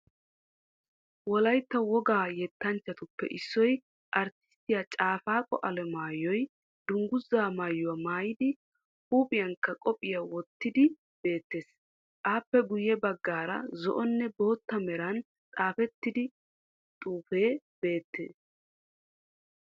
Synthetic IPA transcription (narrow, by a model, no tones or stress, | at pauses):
wɔlɐjt̪ːɐwɔɡaːjɛt̪ːɐnt͡ʃːɐt̪ʊpːɛ̰ʔɪsːɔj | ʔɐɾt̪ɪ̥st̪ːɪjat͡ʃʼaːfaːkʼɔ̰ʔɐlɛmaːjɔj | d̪̥ʊŋɡʊzːaːmaːjːʊwamaːjɪd̪ɪ | huːpʼɪjɐŋkːɐkʼɔpʼɪjawɔt̪ːɪd̪ɪ | b̥e̞ːt̪ːe̞ːs | ʔaːpːɛɡʊjɛbɐɡːaːɾɐ̰zɔ̰ʔɔnːɛbo̞ːt̪ːɐmɛɾɐn | t͡sʼaːfɛt̪ːɪd̪ɪ | t̪ʼuːfe̞ː | b̥e̞ːt̪ːḛːs